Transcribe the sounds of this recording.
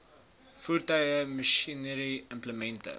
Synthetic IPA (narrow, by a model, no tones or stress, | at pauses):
fuːrtœɥəməʃinəɾiəmpləmɛntə̰